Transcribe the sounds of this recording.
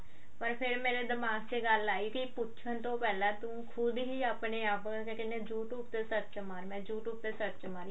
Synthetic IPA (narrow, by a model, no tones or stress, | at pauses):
pəɾpʰɪɾmeːɾeːd̪əmaːɡt͡ʃeːɡəlːaːiːkipʊtːt͡ʃʰənt̪õːpɛːlãːt̪ũːkʰʊd̪ɦiːaːpneːaːp | kekɪnːeːd͡ʒuːʈuːpt̪esət̪t͡ʃəmaːɾmɛ̃ːd͡ʒuːʈup̚t̪eːsət̪t͡ʃəmaːɾi